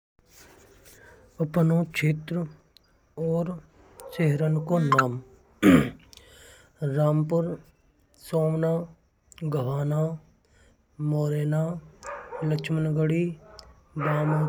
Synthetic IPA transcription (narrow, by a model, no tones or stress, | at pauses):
əpnot͡ʃʰeːt̪ɾə | ɔːɾ | seɦɾənkonaːm | ɾaːmpʊɾ | soːmnaː | ɡʱəʋaːnaː | moːɾeːnaː | ləkt͡ʃʰmənɡəɽiː | baːma